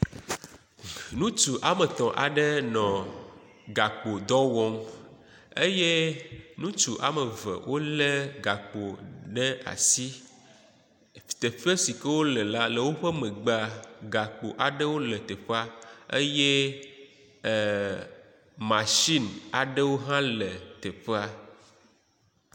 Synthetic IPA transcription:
nũ˦t͡ʃu˨ʔa˨me˨t̪ɔ̃˨ʔa̰˨ɖə˦nɔ̃˨ | ɡa˨k͡po˨d̪ɔ˦wɔ˦m | e˦je˦nũ˦t͡ʃu˨ʔa̰˨me˨və̰˨wʔo˦le˦ɡa˨k͡po˨ɖɛ˦a̰˨si˦˨ | t̪e˨ɸe˦si˨ke˦wo˦le˨la˦le˨wo˦ɸɛ˦mẽ˨ɡ͡ba˦ɡa˨k͡po˨ʔa˨ɖe˦wo˦le˨t̪e˨ɸe˦a˦ḛ˦je˦˨ | mã˨ʃi˦na˨ɖe˦wo˦ɦã˦le˨t̪e˨ɸe˦a˦

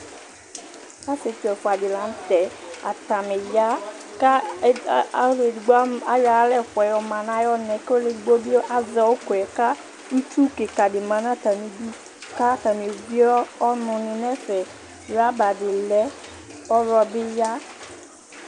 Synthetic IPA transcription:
a˦se˨tɛ˨fa˨dɪ˨lã˨˦n˦t̪ɛ˨a̰˨ta˨me˨ja˦ | ka˦˨˦ | le˨dɡ͡ba˦ja˨˦lɛ˦˨fʷɛ˨jɔ˨mã˨nã˨˦jɔ˦nɛ˨ko˦le˨ɡ͡bo˦bi˦ʔa˨zɔ˨wo˦ko˨ɛ˨ka˦ | u˦t͡ʃu˦ke˨ka˨dɪ˨mã˨nã˦˨t̪a˨mĩ˨du˦ | ka˦t̪a˨mi˨ɡ͡bi˦ɔ˦ɔ˦nʊ̃˨nɪ˨nɛ˦fɛ˨ | ɾa˦ba˨dɪ˨lɛ˦ | ɔ˦ɾɔ˧bɪ˦ja˦

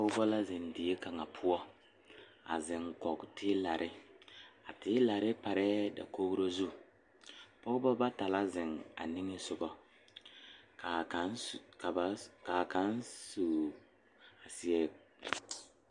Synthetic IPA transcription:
pɔ˦ɡbɔ˦la˦zɪ˨ndɪ˨e˦ka˨ŋa˨pʰʊ˦ɔ˦ | a̰˨zɪ˨ŋkɔ˨ɡtʰɪ˦la˨ɾʔɪ˦ | a˨tɪ˦la˨ɾɪ˦pa˨ɾɛ˦da̰˨ko˦ɡu˦ɾo˦zu˦ | pɔ˦ɡbɔ˦ba˦ta˨la˦zɪ˨ŋa̰˨ni˦ŋɪ˦sʊ˨ɡɔ˦ | ka˨ka˨n˨ka˨ba˨ka˨ka˨˦nsu˨ | a˨sɪ˨ɛ˨

